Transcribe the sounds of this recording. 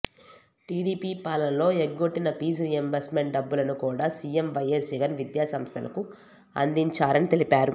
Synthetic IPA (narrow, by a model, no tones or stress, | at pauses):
ʈiːɽiːpiːpaːlɐnlo̞ːeɡɡoʈːinɐpiːsɾiːɐmbɐsmeɳʈ̚ɖɐbːulɐnukuːɽaːsiːemʋɐjesd͡ʒiɡɐnʋid̪jaːsɐmst̪ʰɐlʔɐ̰ku | ɐ̰nd̪iɲt͡ʃaːɾɐnit̪e̞lipaːɾu